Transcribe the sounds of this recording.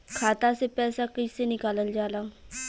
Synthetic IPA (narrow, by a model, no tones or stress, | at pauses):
kʰaːt̪asepɛːsakəd͡ʒsenɪkaːləld͡ʒaːlaː